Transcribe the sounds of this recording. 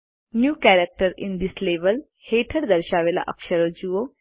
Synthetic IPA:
njuːkɛɾək̚ʈəɾḭnd̪isleʋəl | heʈʰəɽd̪əɾɕaːʋela̰ʔə̰kʃəɾod͡ʑuo

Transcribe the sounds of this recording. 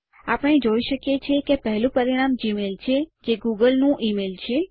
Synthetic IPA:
apəɽ̃ed͡ʒoiʃəkjet͡ʃʰekepəɦlũpəɾiɽ̃amd͡ʒimelt͡ʃʰed͡ʒeɡuɡəlnũʔimelt͡ʃʰe

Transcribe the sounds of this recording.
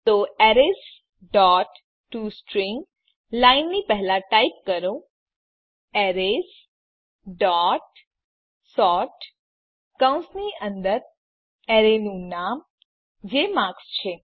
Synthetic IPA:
t̪oɛɾes | ɖɔʈ | ʈːusʈɾiŋɡ | lainːipɛɦɛlaʈaip̚kəɾo | ɛɾes | ɖɔʈ | sɔʈ | kə̃w̃nsniʔənd̪əɾ | ɛɾenũnam | d͡ʒemãkst͡ʃʰe

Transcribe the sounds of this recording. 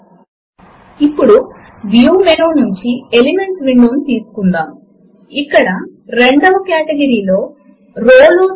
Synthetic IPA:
ipːuɽu | ʋjuːmenoːnuɲt͡ʃielime̞ɳʈʋiɳɖuɐmt̪iːsu̥kund̪aːmu | ikːɐɽɐɾe̞ɳɖɐʋɐkaːʈɐɡɐɾiːlo̞ː | ɾoːlu

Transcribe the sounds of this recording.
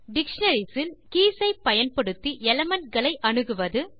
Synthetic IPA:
ɖɪkʂɐnɐɾisɪlkiːsɐɪpːɐjɐnpɐɽɯt̪ːiʔɛlɐmɐnɡɐɭɐɪʔɐnɯɣɯʋɐðɯ

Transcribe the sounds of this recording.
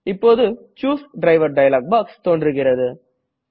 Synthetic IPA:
ɪpːoːðɯ | t͡ʃuːsɖɾɐɪʋɐɾɖɐɪɐlaːk̚baːkst̪oːnɖɾɯɣɪrɐðɯ

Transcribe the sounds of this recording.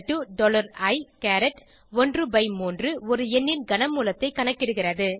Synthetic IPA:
ʈːɯɖɔːlɐɾɐɪkaːɾɛʈ | ɔndrɯbɐɪmuːndrɯɔɾɯɛnːɪnɡɐnɐmuːlɐt̪ːɐɪkːɐɳɐkːɪɽɯɣɪrɐðɯ

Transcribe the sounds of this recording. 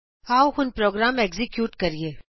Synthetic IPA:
aːwhʊnpɾoːɡɾaːmekzɪkjuːʈkɐɾieː

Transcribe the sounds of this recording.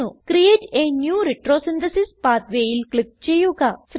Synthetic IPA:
ukrijeːʈeːnjuːriʈroːsind̪ɐsispaːt̪ʋeːjilkɭik̚t͡ɕe̞jːuɣɐs

